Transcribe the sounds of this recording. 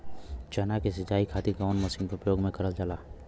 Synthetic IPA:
t͡ʃənakesɪd͡ʒaːikʰaːt̪iɡaʊnmɐsĩnʊpəjoːɡmẽkɐɾəld͡ʒəlaː

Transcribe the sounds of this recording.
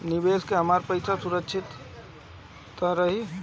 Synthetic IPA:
nibeskeɦəmaɾpəjsʰasuɾəkːt͡ʃʰit̪ | əɾəɦi

